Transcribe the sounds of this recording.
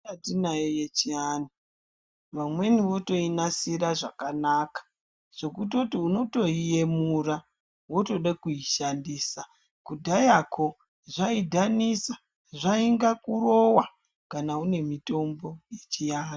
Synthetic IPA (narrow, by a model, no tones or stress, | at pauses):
atinajojet͡ʃiani | ʋamwe̞niwo̞to̞inasiɾaʐakanaːkḁ | ʐ̥o̞kut̬otiuno̞to̞ije̞mura | woto̞ɗakuiʃandiːsa | kudʱajakʰo̞ | ʐaidʱanisa | ʐaiŋɡakuro̞wa | kanaune̞mito̞mbo̞je̞t͡ʃiani